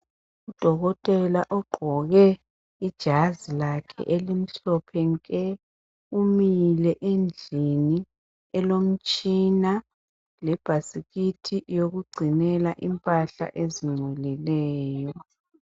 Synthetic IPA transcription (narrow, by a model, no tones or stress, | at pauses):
ud̥ʱɔɣɔtʼɛlaʔɔɡ͡ǃʱɔɣɛ | id̥ʒ̥ʱazilakʰɛ̰ʔelim̩ɬɔpʰɛŋkʼɛ | umilɛʔend͡ɮʱini | ɛlom̩t͡ʃʼina | lɛb̥ʱasiɣitʰijoɣuɡ͡ǀʱinɛlaʔimpʼaɬa̰ʔeziŋ͡ǀulilɛːjɔ